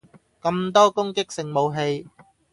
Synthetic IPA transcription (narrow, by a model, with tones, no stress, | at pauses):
kɐ˧mt̪̬ɔː˥kʊ˥ŋkɪ˥k̚sɪ˨ŋmo˨˧wɦe˧j